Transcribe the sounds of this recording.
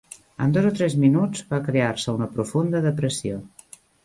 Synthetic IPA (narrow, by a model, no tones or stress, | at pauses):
ə̰nd̪ozot̪ɾɛzminud͡zβakɾeaɾsəunəpɾufund̪əðəpɾəsio